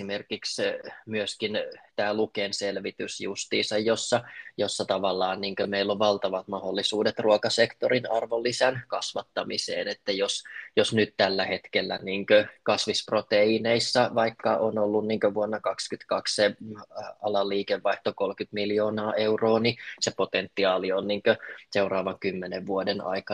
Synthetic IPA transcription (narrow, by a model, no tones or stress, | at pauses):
imerkiksmyøskint̪æːlukeːnselʋit̪ysjṵst̪ḭːsɑjjosːɑjosːɑt̪ɑʋɑlːɑːnniːŋkømeilːoʋʋɑlt̪ɑʋɑt̪mɑholːisuːdet̪ruokɑsekt̪oɾinɑrʋolːisænkɑsʋɑt̪ːɑmisḛːnet̪ːæjosjosnyt̪t̪ælːæhet̪kelːæ̰niːŋkøkɑsʋisprot̪eineisːɑʋɑikːɑʔonolːunniːŋkøʋuonːɑkɑkskyt̪kɑksse | ɑlɑlːiːkeʋʋːɑiht̪okolkyt̪miljoːnɑːʔeuroːnisepot̪ent̪ːiɑːlionniːŋkøseurɑːʋɑŋkymːeneʋʋuodenɑ̰ikɑ